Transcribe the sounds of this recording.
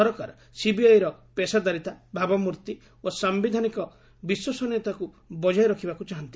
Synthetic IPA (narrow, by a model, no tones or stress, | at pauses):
ɔɾɔkaɾɔ | sibiajɾɔpesad̪aɾit̪abʱabɔmuɾt̪i | osambid̪ʱanikɔ | biswɔsɔnet̪aku | bɔd͡ʒajɾɔkʰibakut͡ʃaɦɔnt̪i̥